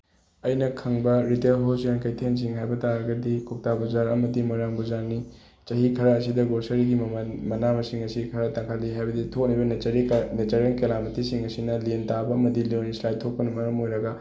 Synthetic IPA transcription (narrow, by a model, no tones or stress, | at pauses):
ɐjnɐkʰɐŋbɐɾitelɦosjankɐjtʰens̬iŋɦajbɐtaɾɐɡɐdikʰok̚tabuzaɾɐmɐdimojɾaŋbuzaɾni | t͡ʃɐɦikʰɐɾɐːsidɐɡosɐɾiɡimɐnmɐnamɐsiŋɐsikʰɐɾɐtɐŋkʰalːiɦajbɐditʰok̚nibɐnɾinet͡ʃɐɾelkelamitisiŋɐsinɐlentabɐɐmɐdilonislajtʰok̚pɐnɐmɐɾɐmojɾɐɡɐ